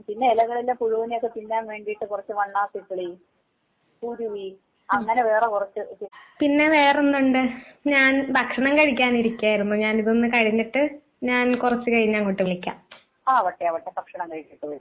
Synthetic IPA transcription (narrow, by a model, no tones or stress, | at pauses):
pinːeilɐɣɐɭilːɐpuɻuʋɐnijokːepinːeaːnʋe̞ːɳɖijiʈːɨkurɐt͡ɕːɨʋɐɳːaːsikːɐɭi | puːɾuʋi | ɐŋːɐneʋe̞ːrekurɐt͡ɕːɨpinːe̞ʋe̞ːrenːuɳɖɨɲaːnbʱɐkʂɐɳɐmkɐɻik̬ʲːaːniɾikʲːaːjiɾunːoːɲaːniðonːɨkɐɻiɲːiʈːɨ | ɲaːnkurɐt͡ɕːɨkɐɻiɲːaːŋkoʈːɨʋiɭikʲːa̰ːm | aːɐʋɐʈːeɐʋɐʈːebɐkʂɐɳɐmkɐɻikʲːiʈːɨʋɐ